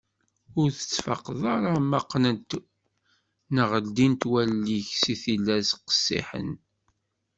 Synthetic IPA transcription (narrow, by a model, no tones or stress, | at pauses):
ʊɾθə̥t͡sːfɑ̰qːðˤɑɾˤamɑqːnənt̪ | nəʁəld̪int̪wælːiçsiθilːæsqə̥sːḭħə̰n